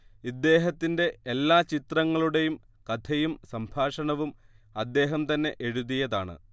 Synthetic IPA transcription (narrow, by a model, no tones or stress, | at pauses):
id̪ːe̞ːɦɐt̪ːinde̞elːaːt͡ɕit̪rɐŋːɐɭuɽe̞jum | kɐd̪ʰɐjumsɐmbʱaːʂɐɳɐʋum | ɐd̪ːe̞ːɦɐmt̪ɐnːe̞ʔeɻuðijɐðaːɳɨ̰